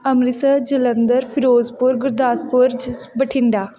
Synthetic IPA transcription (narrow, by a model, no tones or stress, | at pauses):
əmɾɪsəd͡ʒələnd̪əɾpʰɪɾoːzpʊɾɡʊɾd̪aːspʊɾbəʈʰɪɳɖaː